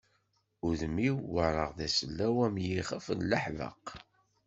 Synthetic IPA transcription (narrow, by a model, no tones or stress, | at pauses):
ʊðəmiwːəɾˤəʁðæsəlːæwæmjiχəfənləħvə̰q